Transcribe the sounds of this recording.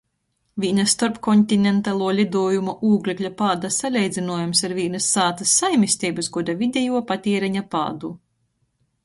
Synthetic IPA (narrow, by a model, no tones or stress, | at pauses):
vʲiːnɐst̪ɔɾpkɔnʲt̪ʲinʲent̪alˠuɔlʲid̪uɔjumuʔuːɡlʲiklʲapaːd̪asalʲɛjd̪zʲinuɔjumsaɾvʲiːnɐsːaːt̪ɐsːajmʲisʲt̪ʲiːbɨsɡɔd̪avʲid̪ʲɛjuɔpat̪ʲiɛɾɛɲapa̰ːd̪u